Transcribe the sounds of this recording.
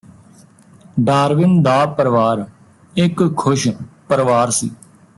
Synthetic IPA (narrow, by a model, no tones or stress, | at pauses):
ɖaːɾʋɪnd̪aːpəɾʋaːɾ | ɪkkʰːʊʃpəɾʋaːɾsḭː